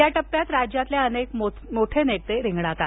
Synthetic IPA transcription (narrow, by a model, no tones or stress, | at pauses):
jaʈəpːjat̪ɾad͡ʑjat̪leənekm | moʈʰeneʈt̪eɾĩŋɡɽat̪a